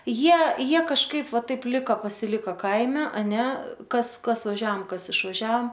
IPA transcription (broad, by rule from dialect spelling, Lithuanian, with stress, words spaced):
ˈjiɛ ˈjiɛ kɐʃˈkɐɪp ˈʋɐ ˈtɐɪp ˈlʲɪkoː pɐsʲɪˈlʲɪkoː ˈkɐɪmʲɛ ɐˈnʲɛ ˈkɐs ˈkɐs ʋɐˈʒʲɛoːm ˈkɐs ɪʃʋɐˈʒʲɛoːm